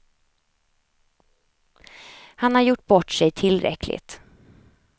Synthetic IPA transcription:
hanhaɾjʊʈ̚ːbɔʈːsɛjt̪ʰɪlɾɛ̰klɪ̰t̪

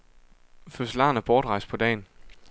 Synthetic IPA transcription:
føsəlɑ̰̈ːnæɐb̥ɒːd̥ʁɑ̈ɪs̚pʰɒ̽d̥ɛ̰ːn

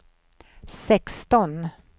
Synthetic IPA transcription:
sɛkst̪ɔn

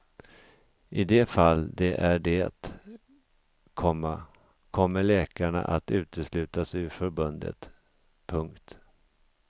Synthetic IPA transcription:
ʔɪd̪ɛfalːd̪ɛʔæɖɛa̰t̪ | kʰɔmːa | kʰɔmːəɭɛːkaɳa̰ʔat̪ʉ̟ːt̪əslʉ̟ːt̪asʏfœɾbɵnd̪ə̰t̪ | pʰɵŋkt̪

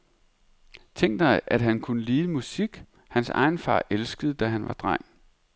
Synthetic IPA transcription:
t͡sʰeŋ̰ɡd̥ɑ̈ɪʔæd̥ɦænkʰunəliːðˠəmusiɡ̥ | hænsɑ̰̈ɪn̩fɑ̰̈ːʔelsɡ̥əð̩ˠd̥æɦænʋɑ̈d̥ʁɑ̰̈ŋ

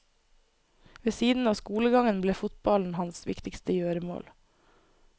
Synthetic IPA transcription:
ʋeːsiːd̪n̩ɑːskuːləɡɑŋənbleːfʊt̪bɑln̩hɑnsʋɪ̰kt̪ɪkst̪əjøːɾəmo̰ːl

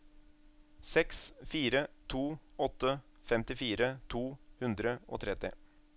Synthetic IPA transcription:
sɛksfiːɾət̪ʰuːɔt̪ːəfɛmt̪ɪfiːɾət̪ʰuːhʉnd̪ɾəo̰ːt̪ʰɾɛt̪ɪ̰

